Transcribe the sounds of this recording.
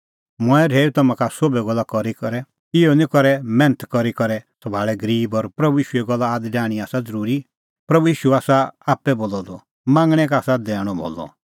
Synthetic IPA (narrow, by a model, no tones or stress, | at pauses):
mɔ̃ɛɾʱeːut̪ɔmãkasobɛɡɔlːakɔɾikɔɾɛ | ɪɔnĩkɔɾɛmɛ̃nət̪kɔɾikɔɾɛsɔbʱaːɭɛɡɐɾiːbɔɾpɾɐbujiːʃuɛɡɔlːaːd̪ɖaːɽ̃iaːsad͡zɐɾuːɾi | pɾɐbujiːʃuaːsaaːpːɛboːlɔd̪ɔ | mãːŋɡɽ̃ɛkaaːsad̪ɛːɽ̃ɔbʱɔ̰ːlːɔ̰